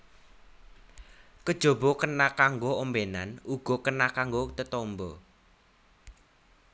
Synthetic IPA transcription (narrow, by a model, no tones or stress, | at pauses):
kəd̥ʒ̥o̤bɔkənakaŋɡoombenanuɡ̥ɔ̤kənakaŋɡot̪ət̪ɔmbɔ